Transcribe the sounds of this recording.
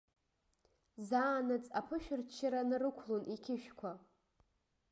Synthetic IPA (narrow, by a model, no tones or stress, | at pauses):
zaːnat͡sʼapʰɨʃᶣɪrt͡ʃʰːɪɾanɨrɨkʷʰlonʔikʲʰɪʃᶣkʷʰa